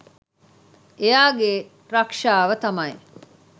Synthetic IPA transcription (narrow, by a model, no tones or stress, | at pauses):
ejaːɡe | ɾɐkʂaːʋɐt̪ɐmɐe